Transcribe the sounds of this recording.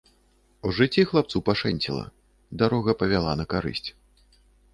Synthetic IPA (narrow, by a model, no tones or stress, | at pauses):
uʐɨt͡sʲːixlˠap̚t̪supaʂɛnʲt͡sʲḭlˠɐ̰ | d̪aɾɔɣɐpɐvʲalˠanɐkaɾɨ̰sʲt͡sʲ